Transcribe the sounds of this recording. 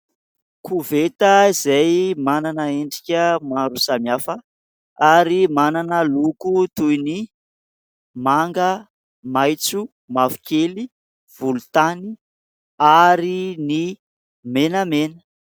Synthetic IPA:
kʰuvet̪əizejmananəeɳɖ͡ʐikʲəmaɾusamiafə | aɾimananəlukut̪ujni | maŋɡə | majt͡su | mavi̥kʲeli | v̥ulut̪ani | aɾini | menəmenə̥

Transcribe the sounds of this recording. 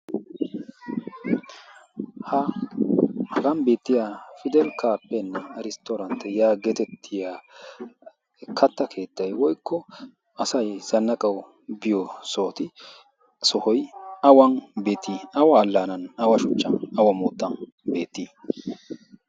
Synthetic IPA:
hɐ | hɐɡɐnbe̞ːt̪ːɪjaːfɪd̪ɛlkʰaːpːɛnːɛɾɪst̪oːɾɐnt̪ːɛjaːɡɛt̪ɛt̪ʰːɪjaː | kʰɐt̪ːɐkʰe̞ːt̪ːɐjwɔjkʰːɔ | ɐsɐjz̥ɐnːɐkʼɐw | bɪjɔsoːt̪ɪ | sɔhɔjɐwɐnbe̞ːt̪ːiːɐwɐːlːaːnɐnɐwɐʃʊt͡ʃːɐnɐwɐmoːt̪ːɐn | be̞ːt̪ːiː

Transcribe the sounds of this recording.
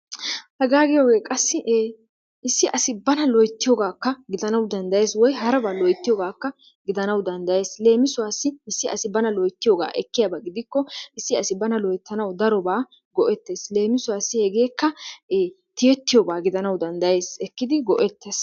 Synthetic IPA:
hɐɡaːɡɪjoːɡe̞ːkʼɐsːɪʔ | ɪsːɪʔɐsɪbɐnɐlɔjt̪ːɪjoːɡaːkːɐɡɪd̪ɐnɐwd̪ɐnd̪ɐje̞ːswɔjɦɐɾɐbaːlɔjt̪ːɪjoːɡaːkːɐ | ɡɪd̪ɐnɐwd̪ɐnd̪ɐje̞ːsle̞ːmɪsʊwaːsːɪɪsːɪɐsɪbɐnɐlɔjt̪ːɪjoːɡa̰ːʔɛkːɪjabaɡɪd̪ɪkːɔɪsːɪɐsɪbɐnɐlɔjt̪ːɐnɐwd̪ɐɾɔbaː | ɡɔʔɛt̪ːe̞ːsle̞ːmɪsʊwaːsːɪhɛɡe̞ːkːɐː | t̪ɪjɛt̪ːɪjɔbaːɡɪd̪ɐnɐwd̪ɐnd̪ɐje̞ːsɛkːɪd̪ɪɡɔʔɛt̪ːes

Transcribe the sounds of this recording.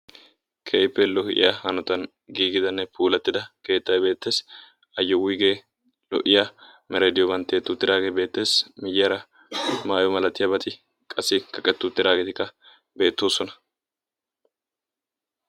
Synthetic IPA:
kʰejpːɛlɔhɪʔɪ̰jahɐnɔt̪ɐn | ɡiːɡɪd̪ɐnːɛpʰuːlɐt̪ːɪd̪ɐke̞ːt̪ːɐjbe̞ːt̪ːe̞ːs | ɐjːɔwʊjɡeː | lɔ̰ʔɪja | mɛɾeːd̪ɪjɔbɐnt̪ːeːt̪ːʊt̪ːɪd̪aːɡebe̞ːt̪ːe̞ːsmɪjɪjɐɾɐ | maːjɔmɐlɐt̪ːɪjɐbɐt̪ʼɪ | kʼɐsːɪkɐkʼːɛt̪ːʊt̪ːɪɾaːɡeːt̪ɪkːɐ | be̞ːt̪ːoːsɔnɐ̥

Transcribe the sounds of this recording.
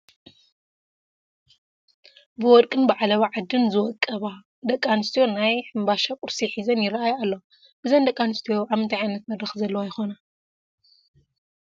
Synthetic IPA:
bɨwɔd̪kʼɨnbaʕalɐwaʕad̪ːɨnzɨwɔkʼːɐβa | d̪ɐkʼːanɨst̪ʰijo̞najħɨmbaʃakʼʊɾsiħizɐnjɪɾɐʔajalːo | bɨzɐnd̪ɐkʼːanɨst̪ʰijoʕamɨnt̪ʰaʕajnɐt̪mɐd̪ɾɐxzɐlːɐwojɪxona

